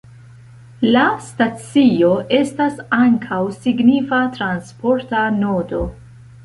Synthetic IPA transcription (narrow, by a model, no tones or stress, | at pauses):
lastat͡sio̞ʔe̞stasaŋkʰawsiɡnifatɾanspo̞ɾtanodo̞